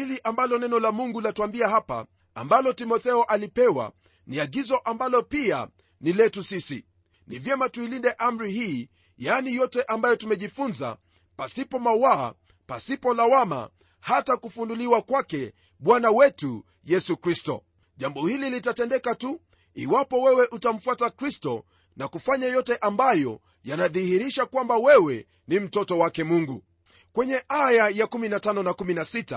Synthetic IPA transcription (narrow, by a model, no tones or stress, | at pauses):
iliʔambalɔnɛnɔlamuŋɡulatuambiahapa̰ | a̰mbalɔtimɔθɛɔʔalipɛwa̰ | niaɡizɔʔambalɔpia̰ | nilɛtusisḭ | nivjɛmatuilindɛʔam̩ɾihiː | janijɔtɛʔambajɔtumɛʄifunza̰ | pasipɔmawa̰ː | pasipɔlawama̰ | hatakufunduliwakwakɛ | ɓwanawɛtu | jɛsukɾistɔ̰ | ʄambɔhililitatɛndɛkatu | iwapɔwɛwɛʔutam̩fuatakɾistɔ | nakufaɲajɔtɛʔambajɔ | janaðihiɾiʃakwambawɛwɛ | nim̩tɔtɔwakɛmuŋɡu | kwɛɲɛʔajajakuminatanɔnakuminasita